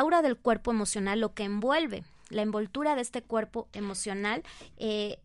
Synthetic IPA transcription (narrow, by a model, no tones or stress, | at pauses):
wɾaðe̞lkwe̞ɾpo̞emo̞sjo̞nalːo̞ke̞ːmbwe̞lβe̞̰ | laembo̞lt̪uɾaðe̞e̞st̪e̞kwe̞ɾpo̞e̞mo̞sjo̞nale